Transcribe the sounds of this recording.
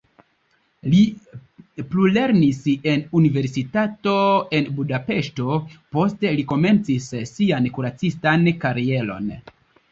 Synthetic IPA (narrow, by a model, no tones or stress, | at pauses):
li | plule̞ɾnise̞nunive̞ɾsitato̞e̞nbudape̞ʃto̞po̞ste̞liko̞me̞nt͡sissiankuɾat͡sistankaɾie̞lo̞̰n